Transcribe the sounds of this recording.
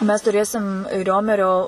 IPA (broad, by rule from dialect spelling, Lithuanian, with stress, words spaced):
mʲɛs tʊˈrʲeːsʲɪm ˈrʲoːmʲɛrʲoː